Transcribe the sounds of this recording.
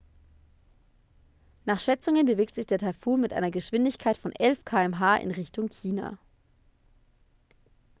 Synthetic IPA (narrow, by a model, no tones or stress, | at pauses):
naːχʃɛt͡sʊŋənbəveːk̚tz̥ɪçd̥eːɐtʰafuːlmɪtʔa̰ɪnɐɡəʃv̥ɪndɪçkʰaɪtfɔnʔɛlfkʰaːɛmɦaːʔɪ̰nʁɪçtʊŋçʰiːna̰